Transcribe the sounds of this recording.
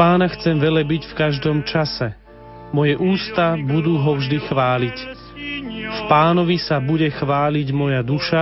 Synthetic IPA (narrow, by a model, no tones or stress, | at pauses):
paːnaxt͡sɛmʋɛlɛbicfkaʒd̪ɔmt͡ʃasɛ | mɔjɛʔuːst̪abud̪uːɦɔvʒd̪ixʋaːlic | fpaːnɔʋisabuɟɛxʋaːliɟmɔjad̪uʃa